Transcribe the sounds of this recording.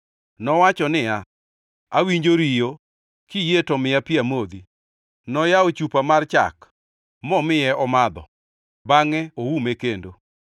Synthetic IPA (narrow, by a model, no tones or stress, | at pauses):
nɔwat͡ʃɔnɪa | awiɲd͡ʒoɾijo | kijetɔmɪjapɪamod̪i | nɔjaot͡ʃupamart͡ʃa̰k | mɔmɪjɛʔɔmad̪ɔ̰ | baŋɛowumekendo